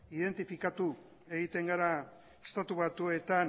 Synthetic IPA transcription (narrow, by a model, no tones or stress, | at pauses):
iðe̞nt̪ifikat̪u | e̞ɣit̪e̞ŋɡaɾa | est̪at̪uβat̪ue̞t̪an